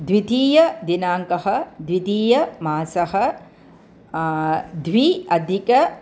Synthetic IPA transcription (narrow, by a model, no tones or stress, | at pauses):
d̪ʋit̪iːjɐd̪inaːŋkɐɦɐd̪ʋit̪iːjɐmaːsɐɦɐ | d̪ʋwiɐd̪ʱikɐ